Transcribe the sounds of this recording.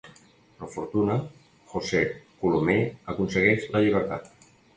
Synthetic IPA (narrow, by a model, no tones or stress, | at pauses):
pɾəfuɾt̪unə | xosekulomeəkunsəɣɛʃləʎiβ̞əɾt̪a̰t̪̚